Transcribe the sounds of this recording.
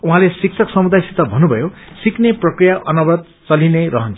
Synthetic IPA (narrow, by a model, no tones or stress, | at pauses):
uɦãlesik̚sʰʌksʌmud̪ʱajsit̪ʌbʱʌnːubʱʌjosikneprʌkrijaʔʌnʌbʌt̪̚ | t͡sʌlinerʌɦʌnt͡sʰu̥